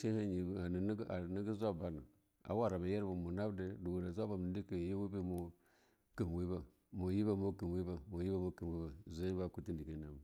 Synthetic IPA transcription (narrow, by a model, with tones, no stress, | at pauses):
ʃi˦ha˦ɲi˨a˨ni˨n˦a˨ni˦ɡi˦zʷa˦ba˨na˨ | a̰˨wa˦˨ɾa˨ba˨je˦ɾba˨mo˨na˦bde˦du˨wu˨ɾa˨zʷa˦ba˨m˨ndi˦ki˨je˦wi˦be˦mo˨ | ki˨mwi˦ba˨ | mo˨ji˦ba˦mo˦ki˨m˨wi˦ba˨mo˨ji˦ba˦mo˦ki˨mwi˦ba˨zo˦i˦ba˦˨ku˦ti˦ndi˨ki˨˦na˨ba˨